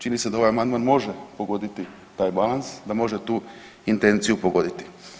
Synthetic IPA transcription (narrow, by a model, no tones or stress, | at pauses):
t͡ʃinised̪ao̞ʋajamand̪maːnmo̞ʒepo̞ɡo̞d̪it̪i | t̪aːjbalˠansd̪amo̞ʒet̪uː | int̪e̞nt̪sijupoɡo̞d̪it̪i̥